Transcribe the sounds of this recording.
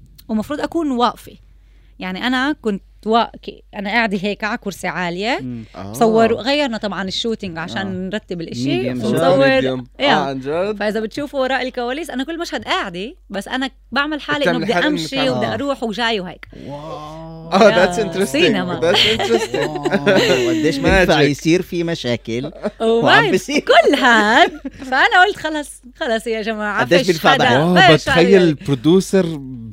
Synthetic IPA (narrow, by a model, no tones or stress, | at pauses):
wmɑfɾuːd̪ʔakuːnwaʔfi | jaʕniʔanakʊnt̪ | waʔkḭʔanaʔaːʕd̪iɦeːkaʕakʊɾsiʕaːlɪjesˤɑwːɪɾʔaɣajːɑɾˤnat̪ˤɑbʕɑnɪʃːuːt̪ɪŋɡʕaʃaːnnɾˤɑt̪ːɪbɪlʔɪʃiasˤɑwːɪɾjaːnd͡ʒafaʔɪzabɪt̪ʃuːfwɑɾˤɑːʔɪlkawaːliːsʔanakʊlːmaʃhad̪ʔaːʕɪd̪ibasːʔana | baʕmalħaːliʔːld̪iaʔamʃiwɪd̪aʔaɾˤuːħwʒaːjwha̰ːkw | ʔaðæt̪sɪnt̪ɾessˤiːnamad̪ætsɪnɾst̪ɪ | mad̪ːeːʃmfjsiːɾfimaʃaːkɪlwaabsiːɾkʊlːɦad̪faʔanaʔoːlt̪xɑlɑsˤxɑlɑsˤɪjaʒamaːʕad̪ːeːbilfaʕd̪awaat̪xajːalpɾod̪uːsɑɾˤ